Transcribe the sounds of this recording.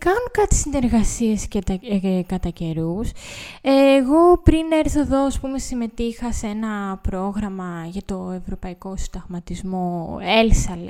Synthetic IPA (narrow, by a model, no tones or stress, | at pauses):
kɐnokɐt̪ʰi̥sine̞ɾɣɐsie̞scet̪ɐkɐt̪ɐce̞ɾuseːɣo̞pɾine̞ɾθoðo̞ɐspume̞sime̞t̪ixɐsenɐpɾo̞ɣɾɐmɐʝɐt̪o̞e̞vɾo̞pɐiko̞sid̪ɐvmɐt̪izmo̞elsɐl